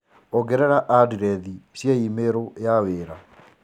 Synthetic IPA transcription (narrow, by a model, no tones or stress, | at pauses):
oɡɛɾɛɾaʔadiɾɛðisjeimeɾojaweːɾa